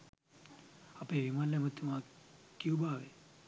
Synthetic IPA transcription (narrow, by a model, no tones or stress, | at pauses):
apeʋimanlejməd̪ʰʱjumãkiũbʱaːʋe